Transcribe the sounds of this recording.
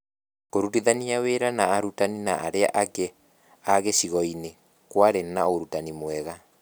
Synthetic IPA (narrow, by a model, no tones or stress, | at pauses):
kkoɾutiðaniaweɾanaːɾutaninaʔaɾea̰ʔake | aɣeʃiɣɔine | kwaɾenaoɾutanimwɛɣa